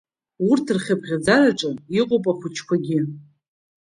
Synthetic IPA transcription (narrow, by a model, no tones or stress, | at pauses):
ʊrtʰɨrχʲabʁʲad͡zaɾaʈ͡ʂʼɨiqʼopʼaχʷʊt͡ʃʰkʷaɡʲɪ